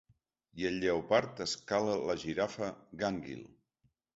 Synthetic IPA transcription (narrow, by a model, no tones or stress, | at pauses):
jəʎɛwpaɾt̪əskalələʒiɾafəɣaŋɡḭlˠ